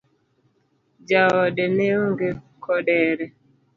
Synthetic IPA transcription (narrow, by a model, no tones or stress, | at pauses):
d͡ʒaɔɗeneoŋɡe | kʰɔɗɛɾɛ